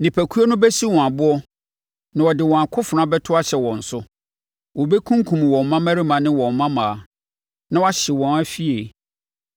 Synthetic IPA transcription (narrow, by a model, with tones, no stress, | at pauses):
nɪ̃˨pʰæ˨kʰu˦o˦nʊ̃˦bɛ˦si˦wɔ̃˨a˨bʊ˦ɔ˦ | nã˨wɔ˨dɪ˨wɔ̃˨a˨kʰʊ˦fʊ˨ɾã˦bɛ˦tʰʊ˦a˦ɕɛ˨wɔ̃˨n̩˨sʊ˦ | wɔ˨be˦kʰũ˦ŋ˦kʰũ˨m˨wɔ̃˨m˨mã˦mæ̃˦ɾɪ˦mã˨nɪ̃˦wɔ̃˨mː˨ã˦mãː˨ | nã˦wa˦ɕɪ˨wɔ̃˨næ˦fi˦e˨